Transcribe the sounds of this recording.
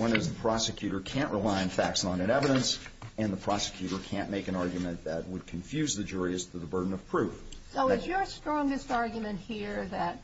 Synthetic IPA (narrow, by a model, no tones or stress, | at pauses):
wʌ̃nɨzðəpʰɹ̥ɑsɨkʰj̥ʉɾə˞kʰæ̃nʔɹʔəlaɪɨ̃nfæk̚tsnɑ̃ñɨ̃ɾɛvɨɾə̃nsɨ̃nðəpʰɹ̥ɑsɨ̥kʰj̥ʉɾə˞kʰæ̃nmeɪkɨ̃ñɑɹɡjmɨ̃nðɨt̚wəd̚kʰɨ̃ɱfjʉzðɨd͡ʒʊɹiɨstʰɨðəbɜ˞dⁿn̩ʌv̥pʰɹ̥ʉfsoʊɪzjə˞stɹ̥ɔ̃ŋɡɨstɑɹɡjmɨ̃nt̚hiɹðɨt̚